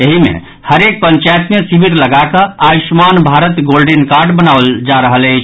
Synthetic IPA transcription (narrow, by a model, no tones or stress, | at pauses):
eɦimḛ | həɾek̚pəɲt͡ʃajt̪mesibʱiɾləɡakəaismanbʱaɾət̪ɡolɖenkaɾɖbənaəld͡ʒaɾəɦələjt͡ʃʰ